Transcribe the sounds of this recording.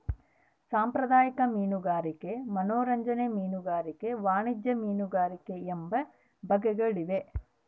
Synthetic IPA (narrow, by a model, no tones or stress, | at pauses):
saːmpɾɐd̪aːjɐkɐmiːnuɡaːɾike̞mɐnoːɾɐɲd͡ʒɐnemiːnuɡaːɾike̞ʋaːɳid͡ʒjɐmiːnuɡaːɾike̞embɐ | bʱɐɡɛɡɐɭiʋe